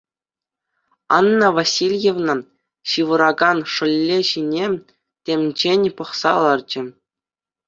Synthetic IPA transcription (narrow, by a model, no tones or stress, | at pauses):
ɑ̰nːɤ̆vasʲilʲjevnɤ̆ | ɕɯʋɤ̆ɾɑɡɑnʂɤ̆lʲːeɕinʲe | tʲemʲd͡ʑenʲpɤ̆χsɑɤ̆lˠɑrd͡ʑɘ̆